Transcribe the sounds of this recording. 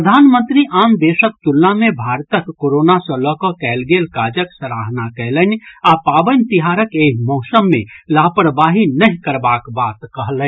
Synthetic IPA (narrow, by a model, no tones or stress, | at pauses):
pəd̪ʱaːnmə̃nt̪ɾiʔaːmd̪eːsək̚t̪ulnamẽbʱaːɾt̪əkːoɾoːnasə̃lɔkɔkɛːlɡelkaːd͡ʒəksəɾaːɦnakɛɦlənapaːbənt̪iɦaːɾəkeːɦmɔːsəmːḛ̃laːpɾbaːɦinəɦĩkəɾbaːkbaːt̪kəɦlən